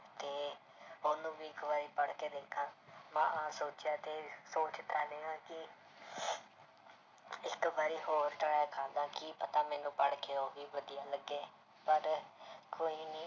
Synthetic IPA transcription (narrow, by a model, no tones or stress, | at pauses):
t̪eː | ʊnũːbiːɪkʋaːɾiːpəɽkeːd̪eːkʰãːmã̰ːãːsoːt͡ʃɪjaːt̪eːsoːt͡ʃt̪aːleːãːkɪ | ɪkʋaːɾiːɦoːɾʈəɽaakʰãːd̪aːkiːpət̪aːmɛ̃ːnũːpəɽkeːoːʋiːʋəd̪ijaːləɡːeː | pəɾkoːiːnĩː